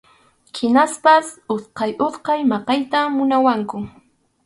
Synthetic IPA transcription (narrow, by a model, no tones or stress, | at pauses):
hɪnaspasosqɑjʔot̪qɑjmɑqɑjt̪amʊnawaŋkʊ